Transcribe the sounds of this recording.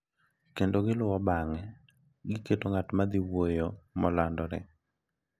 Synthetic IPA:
kendoɡɪlʊwɔbaŋɛ | ɡɪketoŋatmad̪iwojomɔlandɔɾɪ̰

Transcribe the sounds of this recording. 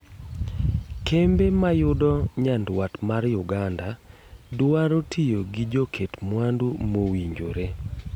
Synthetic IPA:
kʰembemajʊdɔɲandwatmarjʊɡanda | dʊaɾotʰijoɡid͡ʒokʰetmwandumowiɲd͡ʒoɾe

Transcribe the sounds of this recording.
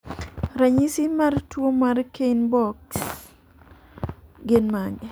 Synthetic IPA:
ɾaɲisimaɾtwomaɾkenbɔk̚ | ɡɪnmaŋɡɛ

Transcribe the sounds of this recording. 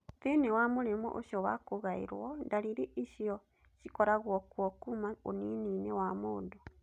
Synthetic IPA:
tenewamoɾemṵʔo̰ʃjɔwa̰koɣaḭɾwɔndaɾiɾeʔiʃiɔ | ʃikɔɾaɣwɔkwɔkumaonininewamodo

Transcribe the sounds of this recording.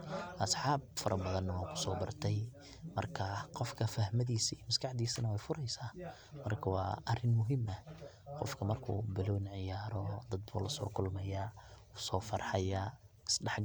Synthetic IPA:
ʔɐsħɑːb̚fɐɾʔɐbɐðɐnːɐwɑːkʰʊ̥sɔːbɐrt̪ʰɛj | mɐ̰rkʰɐqɔfkʰɐfɐhmɐðiːsijmɐskʰɑħd̪iːsɐnɐwɛjfʊɾɛjsaː | mɐrkʰɐwɑ̰ːʔɐrɪnmʊɦɪmɐ | qɔfkʰɐmɐrkʰṵːbɪlɔnʕɪjaːɾɔd̪ɐd̪̚bʊ̰ːlɐsɔ̰ːrkʰʊlmɛjaː | sɔːfɐrħɑjaː | ɪsɖɑħɡ

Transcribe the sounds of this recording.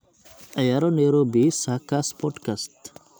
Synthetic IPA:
əjaɾoneɾobisakaspɔʈkast̪

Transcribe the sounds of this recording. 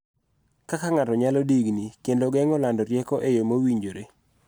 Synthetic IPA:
kakaŋatɔɲalɔdiɡnikendoɡɛŋɔlandɔɾjɛkɔʔejomowiɲd͡ʒoɾe

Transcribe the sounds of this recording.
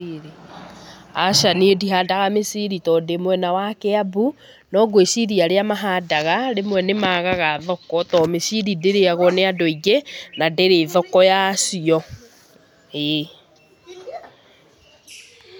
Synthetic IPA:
ɾi | aʃaneediɦadaɣamesiɾitɔdemwɛnawakeabu | nɔɡoeʃiɾiaɾeamaɦadaɣaɾemwɛnemaːɣaɣaðɔkɔtɔmesiɾindeɾeaɣɔneadoiɡenadeɾeːðɔkɔjasiɔ | ee

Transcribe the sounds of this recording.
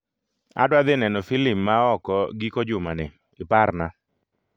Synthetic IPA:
a̰dwad̪ɪnɛnɔfilipmaɔkɔɡikod͡ʒʊmanɛ | ɪpaɾna

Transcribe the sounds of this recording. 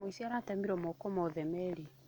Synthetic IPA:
isiaɾatɛmiɾɔmɔkɔmɔðɛmɛɾi

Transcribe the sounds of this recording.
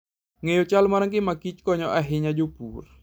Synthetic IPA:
ŋɛjɔt͡ʃalmaɾaŋk̬imakit͡ʃkɔɲɔʔaɦiɲad͡ʒupur

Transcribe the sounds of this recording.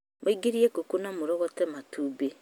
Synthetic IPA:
mʔoiɡiɾiekokunamoɾɔɣɔtɛmatuːbe

